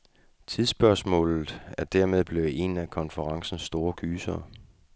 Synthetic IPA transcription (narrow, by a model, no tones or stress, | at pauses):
t͡sʰið̞ˠsb̥ɶɐsmɔ̰̽ːlð̩ˠæɐd̥æɐmeð̞ˠb̥le̝ʊe̝nækʰɒ̽nfəʁɑ̈ŋsn̩sd̥o̝ːɐkʰyːsɐː